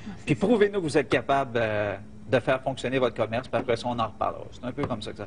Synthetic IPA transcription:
pipʁuvenukvuzɛt̪̚kʲapabl | d̪əfɛːʁfɔ̃ksjɔnevɔt̪χkɔmɛʁspiapʁɛsɔɔ̃nɑ̃ʁəpa̰ʁl̰ʁɔ̰se̥t̪ɛ̃ːpøkɔmsɔksa

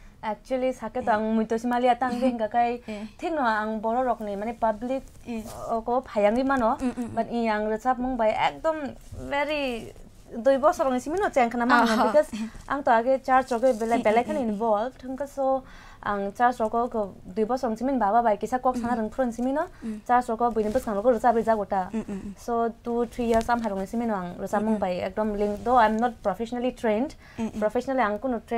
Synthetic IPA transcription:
ek̚t͡ʃualisaketɔaŋmujtɔsimaliataŋɡeiŋkakajtʰiŋnɔaŋbɔɾɔɾɔknimanepablik̚ | ɔkɔbɔpʰajaŋɡimanɔbatĩaŋɾɯsap̚mɔŋbajḛk̚dɔm | veɾi | dujbɔsɔɾɔŋisiminɔt͡ʃeŋkʰanamanɔbikɔza̰ŋtɔaɡet͡ʃaɾsɔkɯbelajbelajkʰaninbɔlbtʰɯŋkɯsɔ | a̰ŋt͡ʃaɾsɔkɔkɔdujbɔsɔɾɔŋsiminbababajkisakɔksanaɾɯŋpʰuɾɔnsiminɔt͡ʃaɾsɾɔkɔbijnibɯskaŋɾɔkɔɾɯt͡ʃabɯjzaɡɔtasotut̪ʰɾijaɾsamɦajɾɔŋnisiminɔaŋɾɯt͡ʃamɯŋbajḛk̚dɔmliŋkdoajmnɔt̚pɾɔpʰesɔnalitɾend | pɾɔpʰesɔnaliaŋkunɔtɾe

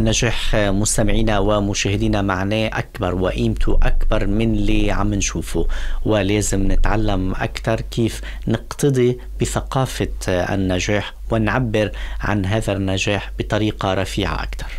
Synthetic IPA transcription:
nːaʒaːħmʊst̪amɪʕiːnawɪmʊʃaːhɪd̪iːnamaʕneːʔakbɑɾˤwaʔiːmt̪ʰʊʔakbɑɾˤmɪnliʕa̰mːɪnʃuːfuwɪleːzɪmnɪt̪ʕalːamʔa̰kt̪ɑɾˤkiːf | nɪqt̪ɨd̪ˤi | b̥ɪθaqɑːfaɪ̰nːaʒaːħ | wɪnʕabːɪɾʕa̰nɦaːðanːaʒaːħbɪt̪ˤɑɾiːqɑɾˤɑfiːʕa̰ʔa̰kt̪ɑɾˤ

